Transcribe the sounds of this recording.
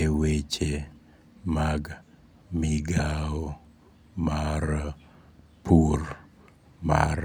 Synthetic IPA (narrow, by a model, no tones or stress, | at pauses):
ewet͡ʃe | maɡ | miɡao | maɾ | pʰur | ma̰ɾ